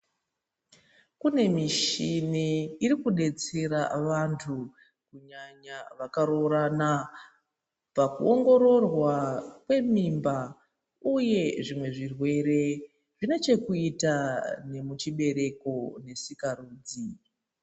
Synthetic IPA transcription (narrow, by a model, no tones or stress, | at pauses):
kune̞miʃiniːɾikuɗe̞t͡se̞ɾa̰ʋantʰu | kuɲaɲaʋakaɾo̞ɾana | pakṵoŋɡo̞ɾo̞rwakwe̞mimba | uje̞ʐimwe̞ʐirwe̞ɾe̞ | ʐine̞t͡ʃe̞kuitane̞mut͡ʃiɓe̞ɾe̞ko̞ne̞sikaɾuːd͡zi